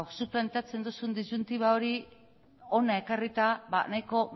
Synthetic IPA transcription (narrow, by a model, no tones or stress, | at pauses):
suplant̪at͡se̞nd̪osund̪izunt̪iβao̞ɾi | o̞naekarit̪aβanajko̞